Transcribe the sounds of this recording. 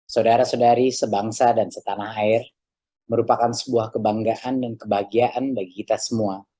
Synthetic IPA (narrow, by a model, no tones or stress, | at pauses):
sawdaɾasadaɾisəbaŋsadansət̪anahaɪr | məɾupakansə̥buahkəbaŋɡaʔandankəbaɦɡiaʔanbaɡiit̪asəmua